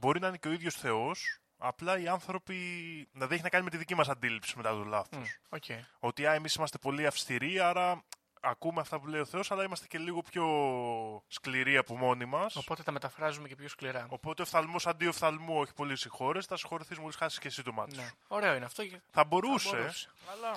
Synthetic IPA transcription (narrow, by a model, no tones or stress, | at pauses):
bo̞ɾinɐine̞ceo̞iðʝo̞sθe̞o̞s | ɐ̰plɐiɐnθɾo̞pilɐðieçinɐkɐnime̞t̪iðicimɐsɐnd̪ilipsi̥me̞t̪ɐt̪olɐθosoceo̞t̪iɐe̞misimɐst̪epo̞liɐfst̪iɾiɐɾɐ | ɐkumeɐft̪ɐpule̞jo̞θe̞o̞sɐlɐimɐst̪e̞ce̞liɣo̞pço̞ | skliɾiɐpomo̞nimɐsopo̞t̪et̪ɐmet̪ɐfɾɐzumecepçoskliɾɐo̞po̞t̪eofθɐlmo̞sɐnd̪iofθɐlmuo̞çi̥po̞lisixo̞ɾe̞st̪ɐsi̥xo̞ɾiθizmulisxɐiskcesit̪omɐ̰t̪oɾeoineɐft̪oθɐbo̞ɾusese̥ɐlɐ